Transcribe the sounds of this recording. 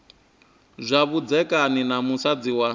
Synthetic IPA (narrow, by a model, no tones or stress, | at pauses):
zʷaβud͡zɛkʼaninamusad͡ziwa